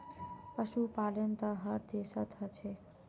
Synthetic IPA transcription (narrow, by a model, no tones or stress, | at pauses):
pʌsupalent̪ʌɦʌɾd̪esʌt̪ɦʌt͡sʰe